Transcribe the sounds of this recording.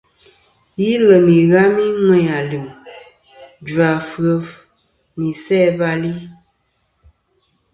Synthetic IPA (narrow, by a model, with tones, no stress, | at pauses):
ji˦lə˨mi˨ɣa˦mi˦ŋwɛ˦ja˨lɨ˨m | d͡ʒa˨fɣə˨v | ni˨sɛ˦ba˦li˦